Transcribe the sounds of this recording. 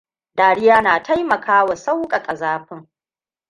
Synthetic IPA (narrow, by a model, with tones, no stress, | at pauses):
daː˨ɽɪ˦jaː˦naː˨tʰa˦jmɐ˨kʰaː˦wa˨sa˦wkʼɐ˨kʼɐ˨zaː˦ɸɪ˦ŋ